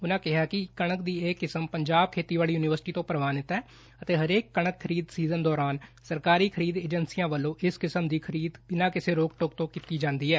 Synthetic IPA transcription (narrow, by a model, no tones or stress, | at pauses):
ʊnãːkɪɦaːkɪkəɳəkd̪iːeːkːɪsəmpəɲd͡ʒaːb̚kʰeːt̪iːʋaːliːjuːnɪʋəɾsʈiːt̪õːpɾəʋaːnɪt̪ɛː | ət̪eːɦəɾeːkːəɳəkʰːəɾiːd̪siːzənd̪ɔːɾaːnsəɾkaːɾiːkʰəɾiːd̪eːd͡ʒənsijãːʋəlːõːʔɪskɪsəmd̪iːkʰəɾiːd̪bɪnãːkɪseːɾoːkʈok̚t̪õːkiːt̪iːd͡ʒãːnd̪iːɦɛː